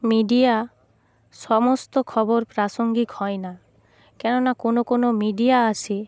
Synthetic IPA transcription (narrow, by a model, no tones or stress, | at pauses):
miɖia | sɔmost̪okʰɔboɾpɾasoŋɡikhɔena | kɛnonakonokonomiɖiaasʰe